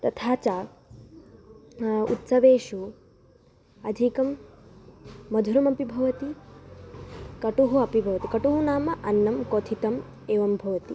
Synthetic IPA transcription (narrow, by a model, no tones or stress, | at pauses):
t̪ɐt̪ʰaːt͡ʃaː | ut̪sɐʋeːʃu | ɐd̪ʱikɐm | ɐd̪ʱuɾɐmɐpibʱɐʋɐt̪i | kɐʈuɦuɐpibʱɐʋɐt̪ikɐʈuɦunaːmɐʔɐnːɐmkoːt̪ʰit̪ɐm | eːʋɐmbʱɐʋɐt̪i